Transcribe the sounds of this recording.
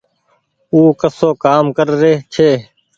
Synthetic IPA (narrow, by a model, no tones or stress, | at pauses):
uːkəsoːkaːmkəɾɾeːt͡ʃʰeː